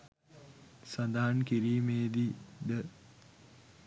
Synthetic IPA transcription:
sand̪aɦankiɾiːmeːd̪id̪ə

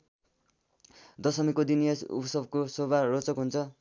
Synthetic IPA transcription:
d̪ʌsʌmikod̪inijʌsṵpsʌbkosobarot͡sʌkɦunt͡sʰʌ

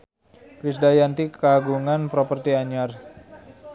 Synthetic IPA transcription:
kɾisdajant̪ikaɡuŋanpɾopərt̪iaɲar

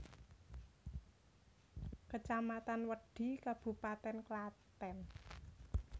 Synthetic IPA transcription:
kət͡ʃamat̪anwəɖ̪̥i̤kab̥ṳpat̪ɛnklat̪ɛn

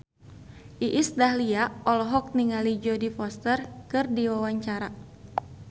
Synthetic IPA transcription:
ʔiʔɪsdahliaɔlɔɦɔk̚niŋalid͡ʒɔdifɔst̪ərkɨrdiwawaɲt͡ʃaɾa

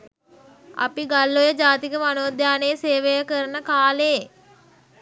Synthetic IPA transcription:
a̰piɡalːojəd͡ʒaːt̪ikəmanoːd̪jaːnejseːʋejəkəɾənəkaːleː

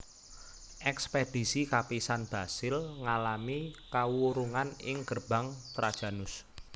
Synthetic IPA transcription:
ʔɛksped̥i̤sikapisanb̥a̤sɪlŋalamikawuɾuŋanɪŋɡərb̥a̤ŋt̪ɾad̥ʒ̥a̤nʊs

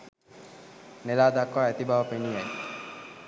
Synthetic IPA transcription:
nelad̪akːɔɛt̪ibʱaɦɔpeniɡaj

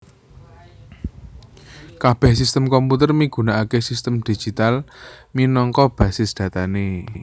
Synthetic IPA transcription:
kab̥ɛhsist̪əmkɔmput̪ərmiɡ̥ṳnaʔakesist̪əmd̪̥i̤̥d͡ʒ̥i̤t̪alminɔŋkɔb̥ä̤sɪsd̪̥ä̤t̪ane

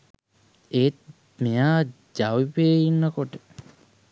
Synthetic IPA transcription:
eːt̪̚ | mejaː | d͡ʒaʋipeinːəkoʈə

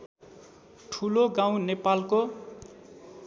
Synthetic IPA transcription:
ʈʰuloɡãw̃nepalko

